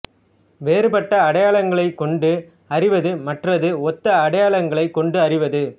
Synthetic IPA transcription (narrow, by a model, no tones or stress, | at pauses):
ʋeːɾɯpɐʈːɐːɽɐjaːɭɐŋɡɐɭɐɪkːɔɳɖɯ | ɐrɪʋɐðɯmɐʈrɐðɯɔt̪ːɐːɽɐjaːɭɐŋɡɐɭɐɪkːɔɳɖɯɐrɪʋɐðɯ